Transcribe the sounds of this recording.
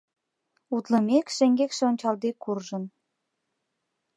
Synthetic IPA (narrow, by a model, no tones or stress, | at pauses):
ut̪lə̆mekʃeŋɡekʃeonʲt͡ɕɑld̪ekːurʒə̆n